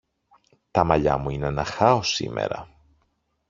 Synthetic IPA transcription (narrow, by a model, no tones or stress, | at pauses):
t̪ɐmɐʎɐ̰muine̞nɐxɐo̞sḭme̞̰ɾɐ